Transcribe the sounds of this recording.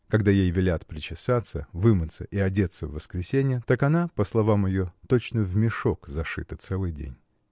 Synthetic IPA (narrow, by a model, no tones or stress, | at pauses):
kɐɡd̪ajejvʲɪlʲat̪pɾʲɪt͡ɕɪsat̪sə̰vɨmɨt̪sə̰ʔɪɐdʲe̞t̪sːəvːəskɾʲɪsʲenʲɪjət̪akɐnapəslˠɐvamjɪjo̞t̪ot͡ɕnəvmʲɪʂokzɐʂɨ̰t̪ət̪sɛlˠɨjdʲḛnʲ